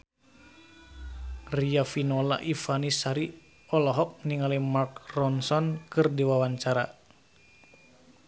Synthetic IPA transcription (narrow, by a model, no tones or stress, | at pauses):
riafinɔla̰ʔifanisaɾi | ɔlɔɦɔk̚niŋalɛmark̚rɔnsɔnkɨrdiwawaɲt͡ʃaɾa̰